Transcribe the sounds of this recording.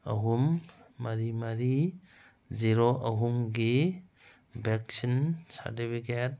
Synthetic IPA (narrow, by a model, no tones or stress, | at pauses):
ɐ̰ɦumːɐɾimɐɾi | ziɾoʔɐɦumɡi | bʱek̚sinsɐ̰ɾtipʰiket̚